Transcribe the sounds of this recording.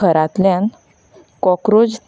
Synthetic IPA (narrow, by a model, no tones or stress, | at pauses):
əɾat̪ljãn | kɔkɾod͡z